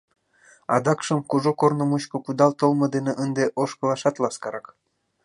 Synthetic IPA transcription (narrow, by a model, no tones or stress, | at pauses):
ɑd̪ɑkʃə̆mkuʒokornŏmuɕkŏkud̪ɑlt̪olmɤ̆d̪eneʔənd̪eʔoʃpɤ̆lɑʃɑt̪lɑskɑɾɑk